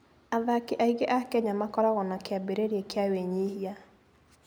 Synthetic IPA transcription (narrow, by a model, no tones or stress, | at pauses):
aðakeʔaiɣeʔakɛɲamakɔɾaɣɔnakeabeɾeɾeekeaweɲihia